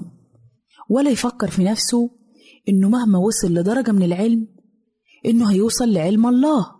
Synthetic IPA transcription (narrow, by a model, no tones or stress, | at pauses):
wælæjfækːeɾˤfinæfso | ʔɪnːomæhmæwɑsˤelːɪd̪ˤɑɾˤɑɡæmɪnelʕelm | ʔɪnːoɦæjuːsˤɑlːɪʕelmʔɑlˤːɑːh